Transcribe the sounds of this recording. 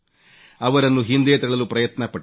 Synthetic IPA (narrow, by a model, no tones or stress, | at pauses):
ɐʋɐɾɐnːuɦind̪eːt̪ɛɭɐlupɾɐjɐt̪nɐpɐ